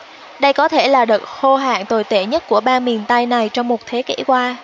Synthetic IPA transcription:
ɗə˧jkɔ˨˦t̪ʰe˧˩laː˨˩ɗə˨˩t̚xo˧ɦa̰ː˧˨ŋt̪o˨˩jt̪e˧˩ɲə˦˥t̚ku˧˩əɓaː˧nmi˨˩ənt̪a˧jna˨˩jt͡ɕɔ˧wŋ͡mmo˨˩t̚t̪ʰe˨˦kḭ˧˩kwaː˧

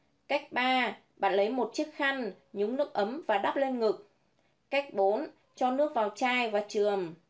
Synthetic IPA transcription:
ka˦˥jk̚ɓaː˧ | ɓa̰ː˧˩nlə˨˦jmo˨˩t̚t͡ɕɨ˦˥ək̚xa˧ŋ | ɲu˨˦ŋ͡mnɨ˦˥ək̚ʔə˨˦mvaː˨˩ɗa˦˥p̚le˧nŋɨ˨˩k̚ | ka˦˥jk̟̚ɓo˨˦n | t͡ɕɔ˧nɨ˦˥ək̚vaː˨˩wt͡ɕaː˧˩jvaː˨˩t͡ɕɨ˨˩əm

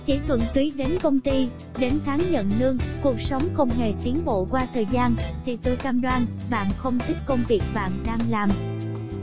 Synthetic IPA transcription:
t͡ɕi˧˦t̪ʰwə̰˧˨nt̪wi˨˦ɗe˨˦nkə˧wŋ͡mt̪i˧ | ɗe˨˦nt̪ʰaː˨˦ŋɲə̰˧˨nlɨ˧əŋku˨˩ək̚sə˨˦wŋ͡mxə˧wŋ͡mɦe˨˩t̪i˨˦ənɓo̰˧˨kwaː˧t̪ʰəː˨˩jzaː˧nt̪ʰi˨˩t̪ə˨˧˦jkaː˧mɗwaː˧nɓa̰ː˧˨nxə˧wŋ͡mt̪ʰi˦˥t̚kə˧wŋ͡mvi˨˩ək̚ɓa̰ː˧˨nɗaː˧ŋlaː˨˩m

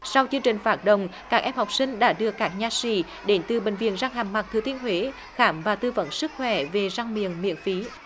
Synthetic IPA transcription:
sa˧wt͡ɕɨ˧əŋt͡ɕï˨˩ŋ̟faː˧˩t̚ɗə̰˧˨wŋ͡mkaː˦˥k̚ʔɛ˧mha˨˩wk͡p̚sï˧ŋ̟ɗa̰ː˧˥ɗɨ˧əkaː˦˥k̚ɲaː˧˩sḭ˧˩ | ɗe˨˦nt̪ɨ˨˩ɓï˧˨ŋ̟vḭ˧˨ənzaː˧ŋɦaː˨˩ŋma˨˩k̚t̪ʰɨ˨˩t̪i˧ənhɦwe˨˦ | xaː˧˩mvaː˨˩t̪ɨ˧və̰˧˥nsɨ˦˥k̚xwɛ˧˩ve˨˩za˧ŋmḭ˧˨ənmḭ˧˨ənfi˨˦

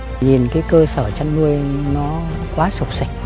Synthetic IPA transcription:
ɲi˨˩nkaː˨˦jkəː˧səː˧˩t͡ɕa˧nnu˧əjnɔ˨˦kwaː˨˦su˨˩k͡p̚sa˨˧˩jk̟̚

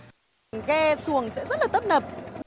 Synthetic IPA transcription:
ŋɣɛ˧su˨˩əŋsɛ̰˧˥zə˦˥t̚laː˨˩ə˦˥p̚nə˨˩p̚

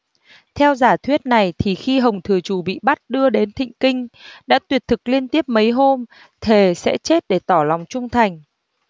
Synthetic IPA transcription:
t̪ʰɛ˧wzaː˧˩t̪ʰwi˦˥ət̚na˨˩jt̪ʰi˨˩xi˧ɦə˨˩wŋ͡mt̪ʰɨ˨˩ət͡ɕu˨˩ɓḭ˧˨ɓa˦˥t̚ɗɨ˧əɗe˨˦nt̪ʰḭ̈˧˨ŋ̟kï˧ŋ̟ɗa̰ː˧˥t̪wi˨˩ət̚t̪ʰɨ˨˩k̚li˧ənt̪i˦˥əp̚mə˨˦jɦo˧m | t̪ʰe˨˩sɛ̰˧˥t͡ɕe˦˥t̚ɗe˧˩t̪ɔ˧˩la˨˩wŋ͡mt͡ɕʊ˧ŋ͡mt̪ʰa˨˩jŋ̟

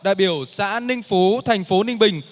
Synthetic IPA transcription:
ɗa̰ː˧˨jɓi˧˩əwsa̰ː˧˥nï˧ŋ̟fo˨˦t̪ʰa˨˩jŋ̟fo˨˦nï˧ŋ̟ɓï˨˩ŋ̟

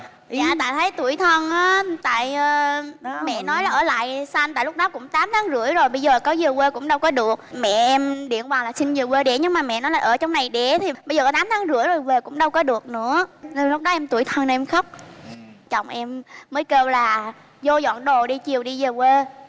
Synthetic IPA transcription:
ɲa̰ː˧˨t̪a̰ː˧˨jt̪ʰə˨˦jt̪u˧˩əjt̪ʰə˧nʔaː˨˦t̪a̰ː˧˨jəː˨˩mɛ̰˧˨nɔ˨˦jlaː˨˩ʔəː˧˩la̰ː˧˨jsa˧ŋt̪a̰ː˧˨jlʊ˦˥k͡p̚ɗɔ˨˦kʊ̰˧˥ŋ͡mt̪aː˨˦mt̪ʰaː˨˦ŋzɨ̰˧˥əjzo˨˩jɓə˧jzəː˨˩kɔ˨˦zəː˨˩kwe˧kʊ̰˧˥ŋ͡mɗə˧wkɔ˨˦ɗɨ˨˩ək̚mɛ̰˧˨ʔɛ˧mɗḭ˧˨ənkwaː˨˩nlaː˨˩si˧nzəː˨˩we˧ɗɛ̰˧˩ɲɨ˧ŋ̚maː˨˩mɛ̰˧˨nɔ˨˦jlaː˨˩ʔəː˧˩t͡ɕɔ˧wŋ͡mna˨˩jɗɛ˧˩˥t̪ʰi˨˩ɓə˧jzəː˨˩kːt̪aː˨˦mt̪ʰːŋzɨ˧˥əjzo˨˩jve˨˩kʊ̰˧˥ŋ͡mɗə˧wkɔ˨˦ɗɨ˨˩ək̚nɨ̰˧˥ən˧lʊ˦˥k͡p̚ɗɔ˨˦ʔɛ˧mt̪u˧˩əjt̪ʰə˧n˨˩ʔɛ˧mxə˦˥wk͡p̚ | t͡ɕɔ̰˧˨˩wŋ͡mʔɛ˧mːəː˨˦jkəː˧p̚laː˨˩ | zo˧zwa̰ː˧˨nɗo˨˩ɗi˧t͡ɕi˨˩əwɗi˧zəː˨˩kwe˧

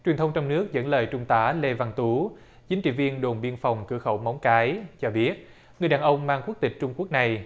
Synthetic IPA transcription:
t͡ɕwi˨˩ənt̪ʰə˧wŋ͡mt͡ɕɔ˧wŋ͡mnɨ˦˥ək̚zə̰˧˥nləː˨˩jt͡ɕʊ˧ŋ͡mt̪aː˨˦le˧va˧ŋt̪u˨˦ | t͡ɕi˨˦ŋ̟t͡ɕḭ˧˩vi˧ənɗo˨˩nɓi˧ənfɔ˨˩wŋ͡mkɨ˧˩əxə˧˩wma˨˦wŋ͡mkaː˨˦jt͡ɕɔ˧ɓi˦˥ət̚ | ŋɨ˨˩əjɗaː˨˩ʔə˧wŋ͡mmaː˧ŋku˦˥ək̚t̪ï̟˨˩t͡ɕʊ˧ŋ͡mku˦˥ək̚na˨˩j

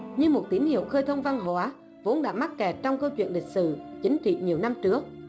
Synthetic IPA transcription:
ɲɨ˧mo˨˩t̚t̪i˨˦nhḭ˧˨əwxəː˧jt̪ʰə˧wŋ͡mva˧ŋɦwaː˨˦ | vo˨˦nɗa̰ː˧˥ma˦˥t̚kɛ˨˩t̚t͡ɕɔ˧wŋ͡mkəː˧t͡ɕwḭ˧˨ənlï˨˩k̟̚sɨ̰˧˨t͡ɕï˨˦ŋ̟t͡ɕḭ˧˨ɲi˨˩əwna˧mt͡ɕɨ˦˥ək̚

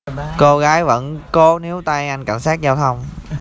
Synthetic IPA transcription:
ko˧ɣaː˨˦jvə̰˧˥nko˨˦ne˨˦wt̪a˧jʔa˧jŋka̰˧˩nsaː˦˥k̚zaː˧wt̪ʰə˧wŋ͡m

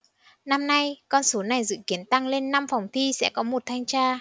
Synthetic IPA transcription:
na˧mna˧jkɔ˧nso˨˦na˨˩jzɨ̰˧˨ki˨˦ənt̪a˧ŋle˧nːa˧mfa˨˩wŋ͡mt̪ʰi˧sɛ̰˧˥kɔ˨˦mo˨˩t̚t̪ʰa˧jŋ̟t͡ɕaː˧

